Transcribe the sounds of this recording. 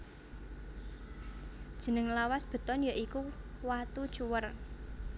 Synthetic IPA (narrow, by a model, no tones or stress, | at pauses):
d̥ʒ̥ə̤nəŋlawasb̥ə̤t̪ɔnjaʔikuwat̪ud̥t͡ʃuwər